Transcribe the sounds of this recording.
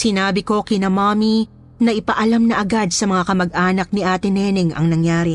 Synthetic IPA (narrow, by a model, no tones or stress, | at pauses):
sɪnaːbɪko̞kɪnɐmaːmi | nɐʔɪpɐʔɐlamnɐʔɐɡad̪̚sɐmɐŋakɐmɐɡ̚ʔaːnɐk̚niʔaːt̪ɪnɛːnɪŋʔɐ̰ŋnɐŋjaːɾɪ